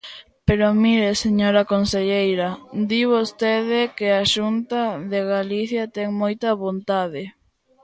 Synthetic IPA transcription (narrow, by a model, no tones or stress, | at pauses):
peɾomiɾeseɲoɾɐkonseʎejɾɐd̪iβost̪eðɪkeaʃunt̪ɐðeɣaliθjɐt̪ɛŋmojt̪ɐβont̪aðɪ